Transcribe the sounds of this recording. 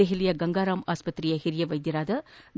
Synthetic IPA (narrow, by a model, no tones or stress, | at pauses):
eɦɪlɪjɐɡɐŋɡaːɾaːmaːspɐt̪ːɾijɐhɪɾɪjɐʋɐjd̪ɪɾaːd̪ɐn